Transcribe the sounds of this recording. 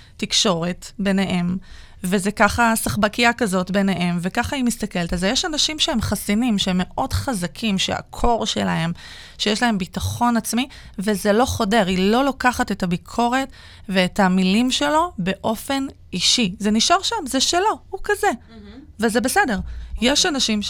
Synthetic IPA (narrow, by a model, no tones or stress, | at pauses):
tikʃo̞ʁe̞tbenehe̞m | ve̞zekaχasaχbakiakazo̞tbe̞ne̞ʔe̞mve̞kaχaimistake̞letazajeʃanaʃimʃehe̞mχasinimʃeemːe̞ʔo̞dχazakʰimʃḛa̰kʰo̞ʁʃe̞la̰he̞m | ʃejeʃlae̞mbitaχo̞nat͡smi | vezelo̞χo̞de̞ʁilo̞lokaχate̞tabikʰo̞ʁe̞t | veːtamilimʃe̞lo̞be̞ʔo̞fe̞n | iʃizeniʃaʁʃamzeʃelo̞hukazevezebesede̞ʁjeʃanaʃim